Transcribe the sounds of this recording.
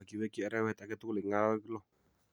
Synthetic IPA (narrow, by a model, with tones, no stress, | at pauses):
a˨ki˨wɛ˦ki˦ɛ˨ɾɛ˦wɛ˦˨t̪a˨kɛ˦t̪u˦kli˨ŋa˦klɔ˦